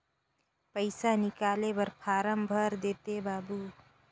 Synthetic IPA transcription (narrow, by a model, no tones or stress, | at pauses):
pəɪsanɪkaːlebəɾpʰaːɾəmbʱəɾd̪eːt̪ebaːbu